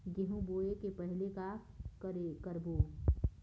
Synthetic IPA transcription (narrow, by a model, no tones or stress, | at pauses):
ɡɪɦũboːekepɐɦɪlekakɾkəɾboː